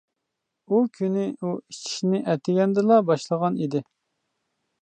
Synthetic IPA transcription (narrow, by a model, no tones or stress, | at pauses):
ukʲʰynɪuit͡ʃʰi̥ʃnɪʔɛt̪ʰɪɡʲɛnd̪ɨlˠɑbɑʃlˠəʁɑnid̪ɪ